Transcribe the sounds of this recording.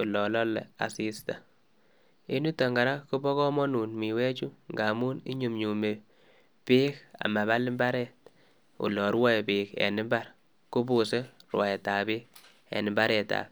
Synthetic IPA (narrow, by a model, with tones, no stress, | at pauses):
u˨lɔ˨lɔ˦lɛ̰˨a̰˨si˦sta˨ | i˦nu˦ta˨ŋɡa˨ɾa˦ku˦bɔ˦kɔ˦mɔ˦nu˨nmi˨wɛ˦t͡ʃu˦ŋɡa˨mu˦nḭ˦ɲu˨mɲu˨me˨ | piː˦ka̰˨ma˨βa˦lɪ˦mba˦ɾɛ˦˨t̚ | ṵ˨lɔ˨ɾwa˦˨pi˨kɛ̰˨nɪ˦mba˦ɾ | kʊ˦bu˦se˦rwa˨ɛ˨ta˨biː˦k | ɛ̰˨nɪ˨mba˦ɾɛ˨ta̰˨p